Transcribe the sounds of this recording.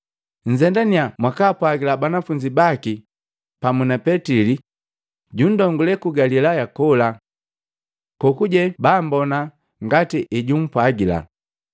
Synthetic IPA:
ɲ̩zɛndaniamwakaːpwaɡilabanafuɲd͡ʒibaki | pamunapɛtili | ɟun̩dɔŋɡulɛkuɡalilajakɔla | kɔkuɟɛbambɔna | ŋɡatiʔiɟum̩pwaɡila̰

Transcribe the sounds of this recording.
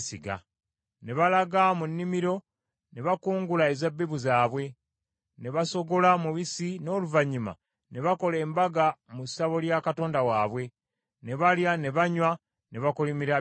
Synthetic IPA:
siɡa̰ | ne̞βalaɡamunːimiɾo̞ | ne̞βakuːŋɡulaezabːeβuzaːβwe̞ | ne̞βaso̞ɡo̞lamuβisino̞ːluvaɲima̰ | ne̞βako̞le̞ːmbaɡamusaβo̞ljakato̞ːndawaːβwe̞ | ne̞βaljane̞βaɲwa | ne̞βakulimiɾa

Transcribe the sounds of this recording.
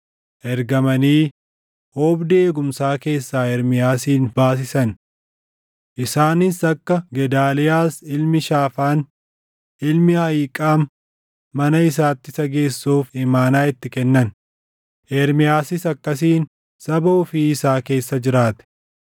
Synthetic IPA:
ʔɛɾɡɐmɐniː | ʔoːbd̪eːɡʊmsaːke̞ːsːaːɛɾmɪjaːsiːnbaːs̬ɪsɐn | ʔɪsaːnɪsɐkːɐɡɛd̪aːlɪjaːsɪlmɪʃaːfaːn | ɪlmɪhɐjiːkʼaːmː | ɐnɐɪs̬aːt̪ːɪsɐɡe̞ːsːuːfɪmaːnaːɪt̪ːɪkɛnːɐn | ʔɛɾmɪjaːsɪsɐkːɐs̬iːn | sɐbɐʊfiɪsaːke̞ːsːɐd͡ʒɪɾaːt̪ɛ̥

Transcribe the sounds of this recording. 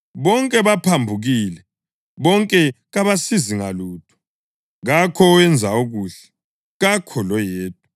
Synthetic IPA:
βɔŋkʼɛβapʰambʱuɣilɛ | βɔŋkʼɛɣaβasiziŋaluːtʰʼu̥ | ɣakʰɔːɛnd͡zʱaoɣuːɬɛ̥ | ɣakʰɔlɔjeːtʰʼu

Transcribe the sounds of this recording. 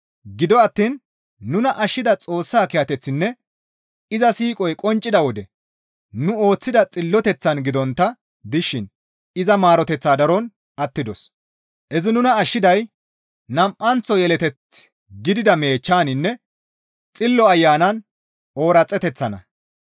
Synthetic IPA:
ɡɪd̪ɔɐt̪ːiːnː | ʊnɐʔɐʃːɪd̪ɐt͡sʼo̞ːsːaːkɪjɐt̪ɛt͡sːɪnːɛ | ɪzɐsiːkʼɔjkʼɔnt͡ʃʼːɪd̪ɐwɔd̪ɛ | nʊo̞ːt͡sːɪd̪ɐt͡sʼɪlːɔt̪ɛt͡sːɐnɡɪd̪ɔnt̪ːɐ | d̪ɪʃːɪn | ɪzɐmaːɾɔt̪ɛt͡sːaːd̪ɐɾɔn | ʔɐt̪ːɪd̪ɔs | ʔɛzɪnʊnɐːʃːɪd̪ɐj | nɐmʔːɐnt͡sːɔjɛlɛt̪ɛt͡s | ɡɪd̪ɪd̪ɐme̞ːt͡ʃːaːnɪnːɛ | t͡sʼɪlːɔɐjːaːnɐn | ʔo̞ːɾɐt͡sʼːɛt̪ɛt͡sːɐnɐ̰

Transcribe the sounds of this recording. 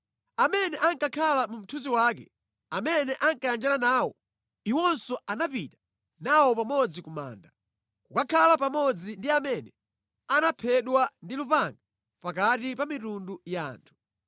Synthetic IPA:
amɛnɛʔaŋkakʰalamum̩tʰuziwaːkɛ̰ | amɛnɛʔaŋkajand͡ʒananaːwɔ̰ | iwɔnsɔanapitḁ | nawɔpamɔd͡zikuma̰ːnda | kukakʰalapamɔd͡zindiamɛnɛ | anapʰɛɗwandilupaŋɡa | pakatipamitundujaːntʰu̥

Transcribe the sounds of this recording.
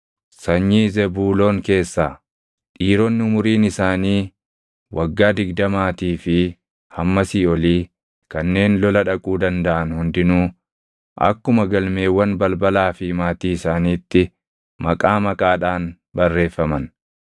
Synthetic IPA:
sɐɲːiːzɛbuːlo̞ːŋke̞ːsːaː | ᶑiːɾɔnːɪʊmʊɾiːnɪsaːniː | wʔɐɡːaːd̪ɪɡd̪ɐmaːt̪iːfɪ | hɐmːɐsiːɔliː | kɐnːe̞ːnlɔlɐᶑɐkʼuːd̪ɐnd̪ɐʔɐnhʊnd̪ɪnuː | ʔɐ̰kːʊmɐɡɐlme̞ːwːɐnbɐlbɐlaːfɪmaːt̪iːɪsaːniːt̪ːɪ | mɐkʼaːmɐkʼaːᶑaːn | bɐrːe̞ːfːɐmɐn

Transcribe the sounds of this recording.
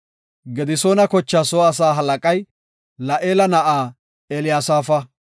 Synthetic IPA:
ɡɛd̪ɪsoːnɐkɔt͡ʃːaːsoːɐsaːɦɐlɐkʼɐj | lɐʔeːlɐnɐʔaː | ɛlɪjaːsaːfɐ

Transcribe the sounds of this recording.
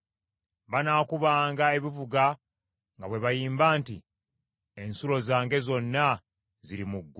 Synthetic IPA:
βanaːkuβaːŋɡae̞βivuɡa | ŋɡaβwe̞βajiːmbaːntḭ | e̞nsulo̞zaːŋɡe̞zo̞nːa | ziɾimuɡː

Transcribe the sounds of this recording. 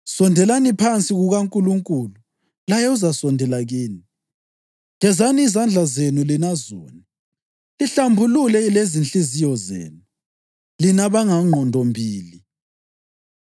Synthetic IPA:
sɔndʱɛlanipʰant͡sʼiɣuɣaŋkʼuluŋkʼulu | lajɛuzasɔndʱɛlaɣiːni | ŋɛzaniːzand͡ɮʱazenulinazɔ̰ːni | iɬambʱululɛilezint͡ɬʼizijɔzḛːnu | linaβaŋaŋ͡ǃʱɔndʱɔmbʱiːli

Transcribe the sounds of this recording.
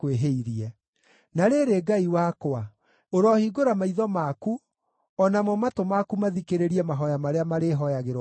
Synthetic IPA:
kweɦeiɾiɛ | naɾeɾeɡaiwakwa | oɾɔhiɡoɾamaiðɔmaku | ɔnamɔmatomakumaðikeɾeɾiɛmaɦɔjamaɾeamaɾeɦɔjaɣeɾ

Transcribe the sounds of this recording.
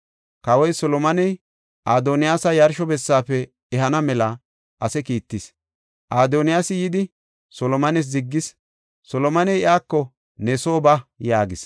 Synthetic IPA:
kɐwɔjsɔlɔmɐnɛj | ʔaːd̪oːnɪjaːsɐjɐɾʃɔbɛsːaːfɛ | ɛɦɐnɐmɛlɐ | ʔɐsɛkiːt̪ːɪs | ʔaːd̪onɪjaːsɪjɪd̪ɪ | sɔlɔmɐnɛs̬zɪɡːɪs | sɔlɔmɐnɛjɪʔaːkːɔ | nɛsoːbɐjaːɡɪs

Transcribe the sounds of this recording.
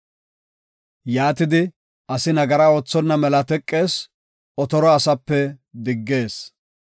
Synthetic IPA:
jaːt̪ɪd̪ɪ | ɐsɪnɐɡɐɾaːoːt͡sːɔnːɐmɛlɐt̪ɛkʼːe̞ːs | ɔt̪ɔɾɔɐsɐpːɛd̪ɪɡːe̞ːs

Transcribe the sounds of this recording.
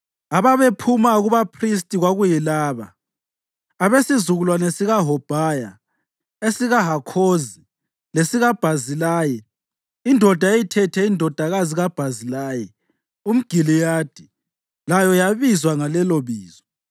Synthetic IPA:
aβaβepʰumaɣuβapʰristʼiɣwaɣujilaːβa̰ | βesizuɣulwanesiɣaɦɔb̥ʱaːja | esiɣaɦakʰozi | lesiɣab̥ʱazilaːjɛ | indʱɔd̥ʱaejitʰɛtʰɛindʱɔd̥ʱaɣaziɣab̥ʱazilaːjɛ | um̩ɡ̥ʱilijaːd̥ʱi | lajɔjaβizwaŋalɛloβiːz̥ɔ̥

